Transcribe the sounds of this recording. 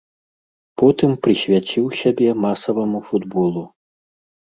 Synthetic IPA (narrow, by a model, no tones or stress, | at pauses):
pɔt̪ɨmpɾɨsʲvʲat͡ɕʲiwsʲabʲɛmasɐvɐmufud̪bɔlˠu